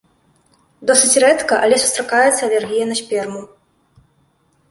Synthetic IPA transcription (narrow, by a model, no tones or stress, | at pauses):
d̪ɔsɨt͡sʲrɛt̪kɐʔɐlʲɛsu̥st̪ɾakajɛt̪sːɐɐlʲɛrɣʲijɐnɐsʲpʲɛrmu